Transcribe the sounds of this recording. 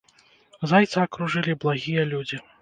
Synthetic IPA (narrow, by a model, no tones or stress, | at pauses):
zajt̪sɐːkɾuʐɨlʲiblˠaɣʲijɐlʲud͡zʲi